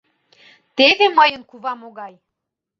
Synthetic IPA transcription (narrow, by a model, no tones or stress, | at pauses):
t̪eβeməjənkuβɑmoɣɑj